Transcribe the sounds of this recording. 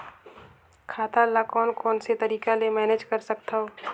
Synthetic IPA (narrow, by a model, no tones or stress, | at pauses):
kʰaːt̪alakɔːnkɔːnset̪ɐɾiːkalemɛːneːd͡ʒkɐɾsɐkt̪aɦoː